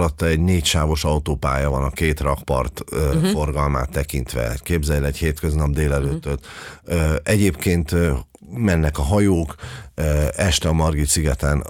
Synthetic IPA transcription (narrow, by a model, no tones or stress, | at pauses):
lɒt̪ːɒɛɟneːcʃaːvo̞ʃɒut̪oːpa̰ːjɒvɒnɒkeːt̪rɒkpɒ̰rt̪øfo̞rɡɒlma̰ːt̪ːɛkint̪ʋɛ̰keːbzɛjɛlɛcheːt̪kø̞znɒb̚d̪eːlɛløːt̪ːøt̪ː | ɛɟeːpkeːnt̪ | mɛnːɛkɒɦɒjoːkː | ɛʃt̪ɛɒmɒrɡit̪siɡɛt̪ɛn